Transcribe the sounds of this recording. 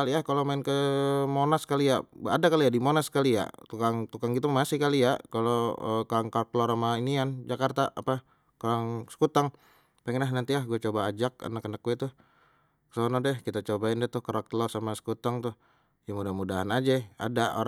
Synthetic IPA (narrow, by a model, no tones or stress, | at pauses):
aliahkalomaɪnkəmonaskalijaadakaliadimonaskalija̰t̪ukaŋt̪ukaŋɡit̪umasɪhkalijakaloə̰kaŋkak̚loɾamainiand͡ʒakart̪aapa | koɾaŋsə̥kut̪aŋ | peŋɛnlaɦnant̪ilahɡuɛt͡ʃobaːd͡ʒak̚a̰nakːənak̚ɡuɛt̪ʊh | ksonɔdɛhkit̪at͡ʃobaɪndɛt̪ʊhkəɾak̚t̪lɔrsamasə̥kut̪aŋt̪ʊh | jamudahmudaɦanad͡ʒɛa̰dao̰ɾ